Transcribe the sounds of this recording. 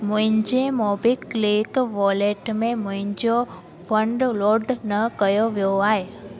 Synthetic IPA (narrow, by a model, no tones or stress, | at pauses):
mʊ̃ɦɪ̃ɲd͡ʒemobikːlikʋɔleʈmẽmʊ̃ɦɪ̃ɲd͡ʒo | pʰə̃ɳɖloɾɖnəkəjoʋjoaɦe